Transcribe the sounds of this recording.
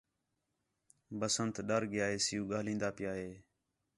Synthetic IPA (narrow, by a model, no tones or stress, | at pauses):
bəsənt̪ɗəɾɡɪjaːɦeːsɪjuːɡaːlĩːnd̪aːpɪjaːɦeː